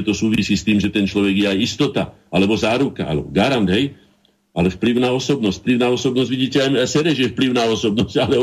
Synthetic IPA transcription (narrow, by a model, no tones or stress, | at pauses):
ɛt̪ɔsuːʋisiːst̪iːmʒɛt̪ɛnt͡ʃlɔʋɛɡɪjɛajist̪ɔt̪aʔalɛbɔzaːɾuka̰ʔa̰lɛ̰bɔɡaɾand̪ɦɛj | ʔalɛfpliʊnaɔsɔbnɔscpliʊnaɔsɔbnɔzɟʋiɟiːcɛajsɛɾɛʒjɛfpliʊnaɔsɔbnɔscalɛ